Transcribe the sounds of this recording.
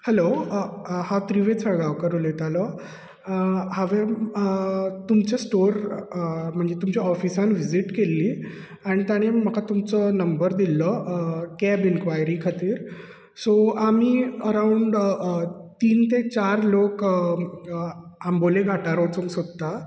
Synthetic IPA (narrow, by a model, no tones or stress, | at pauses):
hɛlo | hat̪ɾiʋet͡sʰəɡaʋkəɾolet̪alə | haʋe | t̪umt͡ɕasʈoɾ | m̤əɳd͡zet̪umt͡ɕaɔfisãnʋid͡ziʈkelːiː | aɽ̃it̪jaɽ̃eməkat̪umt͡sənəmbəɾd̪ilːəkɛbinkʋajɾiːkʰat̪iːɾ | soamiːəɾauɳɖ | t̪iːnt̪et͡ɕaɾlok | amboleɡʱaʈaɾot͡soŋsod̪a